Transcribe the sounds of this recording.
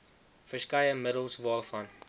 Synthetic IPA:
fəskɐjəməɾəlˠsvɑːlˠfɐn

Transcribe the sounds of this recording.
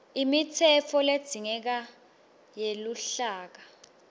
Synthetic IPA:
imitʰɛfɔled̥z̥ʱiŋɛk̬a | jeluɬaːk̬a

